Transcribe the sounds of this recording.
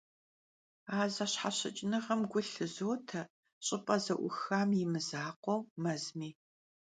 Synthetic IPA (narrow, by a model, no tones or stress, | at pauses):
aːzɐɕħaɕɐ̰t͡ʃʼnɐʁɐmɡʷʊɬɨzoːtʰɐ | ɕʼɪpʼɐzɐʔʷʊ̰xaːmjɪmɨzaːqʷɔwmɐzmiː